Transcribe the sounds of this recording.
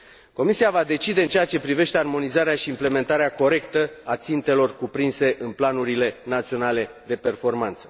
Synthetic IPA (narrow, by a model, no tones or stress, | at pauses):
ko̞misiavad̪e̞t͡ʃid̪e̞ɨnt͡ʃeat͡ʃe̞pɾive̞ʃt̪earmo̞nizaɾeaʃiːmple̞me̞nt̪aɾeako̞ɾe̞kt̪əat̪sint̪e̞lo̞rkupɾinse̞ʔɨnplanuɾile̞nat̪sio̞nale̞d̪e̞pe̞rfo̞rmant̪sə̥